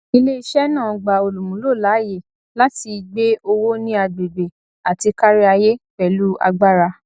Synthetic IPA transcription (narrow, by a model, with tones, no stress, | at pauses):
i˧le˦i˧ʃɛ˦nãː˦˨ɡ͡ba˨o˨lu˨mũ˨˦lo˦˨la˨˦je˨ | la˦ti˧ɡ͡be˦o˧wo˦nĩ˦a˧de˨be˨ | a˨ti˧ka˦ɾi˦a˧je˦fɛ˨lu˦a̰˧ɡ͡ba˦ɾa˧